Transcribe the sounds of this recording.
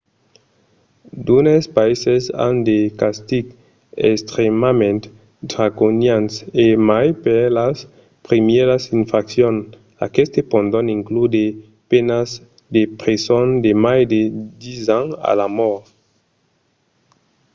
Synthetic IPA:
d̪unespaisesa̰nd̪ekast̪iɡ | ḛst̪ɾemamẽnt̪ | d̪ɾakonjansemajpelas | pɾimeɾasiɱfɾaksjon | a̰kest̪epõnd̪oniŋklud̪e | penaz | d̪epɾesond̪emajd̪ed̪izaŋa̰lamɔɾ

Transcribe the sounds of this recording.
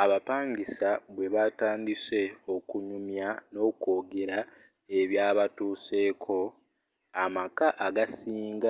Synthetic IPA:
aβapaːŋɡisaβwe̞βataːndise̞o̞kuɲumjano̞ːko̞ːɡe̞ɾa | e̞βjaːβatuːse̞ːkʰo̞ | amakaʔaɡasiːŋɡa

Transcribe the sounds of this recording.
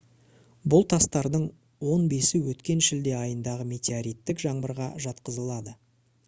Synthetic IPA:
bʊlˠt̪ʰɑst̪ɑɾd̪əɴ | wo̞nbe̞sɪwɵt̪kʲe̞nʃɪld̪e̞ɑjənd̪ɑʁəme̞t̪ʲeaɾijt̪ːɪkʒɑɴbəɾʁɑ̰ʒɑt̪qəzəlˠɑd̪ə

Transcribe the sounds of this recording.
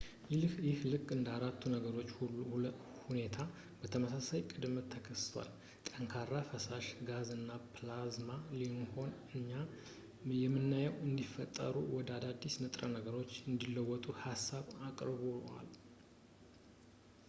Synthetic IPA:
jlhjɪhlɨkʼːɨnd̪əaɾat̪ʰːunəɡəɾo̞t͡ʃːuu | hune̞t̪ʰa | bət̪ʰəməsasajkʼɨd̪mt̪ʰːəkʰəst̪ʰwa̰l | t̪ʼəŋkʰarːafəsaʃɡazɨnːapʰlazmalimho̞nɨɲːa | jɛmːɨnːajɛwɨnd̪ifət̪ʼːə̰ɾuwɔd̪əad̪ad̪ːisnɨt̪ʼɾənəɡəɾo̞t͡ʃːɨnd̪ilːəwːɔt̪ʼuhasːaβakʼɾβoa̰l

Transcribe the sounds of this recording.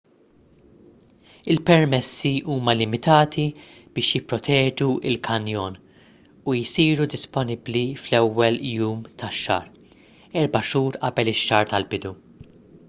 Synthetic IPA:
ɪlpɛɾmɛsːiuːmɐlɪmɪt̪ɐːt̪ʰi | b̥ɪːʃjɪpːɾɔt̪ʰɛːd͡ʒuɪlkʰɐnjɔːn | ujsiːɾud̪ɪspɔnɪbliflɛwːɛljuːmt̪ʰɐʃːɐ̰ːɾ | ɛɾbɐʃuːɾʔɐbɛlɪʃːɐːɾt̪ɐlbɪd̪u

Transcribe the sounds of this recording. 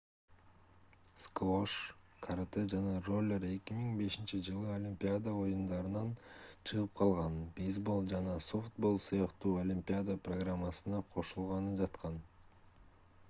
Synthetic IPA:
skvoʃ | kʰaɾt̪ed͡ʒɑnɑro̞lʲːeɾe̞kimiŋbe̞ʃint͡ʃid͡ʒɯlˠɯolʲimʲpʲijad̪ao̞jund̪ɑɾɯnɑnt͡ʃʰɯʁɯp̚qʰɑlˠʁɑnbizbolˠd͡ʒɑnɑsoft̪̚bo̞lˠsɯjɑqt̪uːolʲimʲpʲɪad̪aproɡramːasɯnɑqʰo̞ʃulˠʁɑnɯd͡ʒɑt̪qɑn

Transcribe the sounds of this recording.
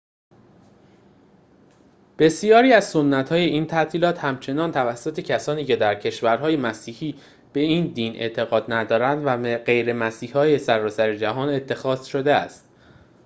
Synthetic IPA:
b̥e̞sijɒːɾiːæzsonːæt̪hɒːje̞ʔiːnt̪ʰæt̪ʰiːlɒːt̪hæmt͡ʃʰe̞nɒːnt̪ʰævæsːot̪ʰe̞cʰæsɒːniːcʰe̞d̪æɾcʰe̞ʃvæɾɦɒːjemæsiːhiː | b̥e̞iːnd̪iːnʔe̞̰ʔt̪ʰe̞ɣɒːd̪næd̪ɒːɾænd̪væɢe̞jɾe̞mæsiːhhɒːje̞sæɾɒːsæɾed͡ʒæɦɒːne̞t̪ʰːe̞xɒːz̥ʃo̞d̪e̞æ̰st̪

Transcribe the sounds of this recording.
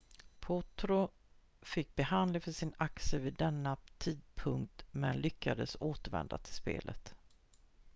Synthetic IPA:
pʰɔt̪ɾʊ | fɪk̚ːbɛhand̪lɪŋfœʂɪnaksəviːd̪ːɛnːat̪ʰiːd̪̚pʰɵŋkt̪mɛnlʏkʰːad̪əsoːt̪əɾvɛ̰nd̪a̰t̪ʰɪlspḛːlʔə̰t̪

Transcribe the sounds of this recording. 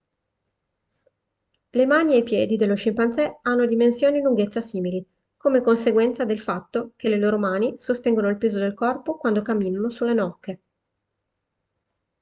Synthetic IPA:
lemaːniejpjɛːd̪id̪elːoʃimpant̪sɛanːod̪imensjoːniluŋɡet̪sːasiːmili | komekonseɡwɛnt̪sad̪elfat̪ːokeleloːɾomaːnisost̪ɛŋɡonoilpeːzod̪elkɔrpokwand̪okamːiːnanosulːenɔkːe

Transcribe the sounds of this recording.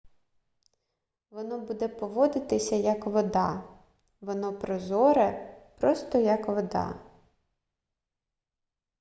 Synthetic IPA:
ʋɔnɔbud̪ɛpɔʋɔd̪ɪt̪ɪsʲɐjɐkʋɔd̪ɑ | ʋɔnɔpɾɔzɔɾɛpɾɔst̪ɔjɐkʋɔd̪ɑ̰

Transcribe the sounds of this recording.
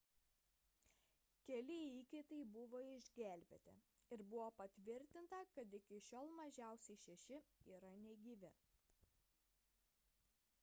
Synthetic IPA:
kʲɛlʲɪiːkʲɪt̪ɐɪbʊʋoːɪʒʲɡʲæˑlʲbʲɛt̪ʲɪ̰ɪɾbʊʋoːpɐt̪ʲʋʲɪɾʲt̪ʲɪnt̪ɐkɐt̪ɪkʲɪʃʲoːlˠmɐʒʲæˑʊsʲɛɪʃʲɛʃʲɪiːɾɐnʲɛɡʲiːʋʲɪ

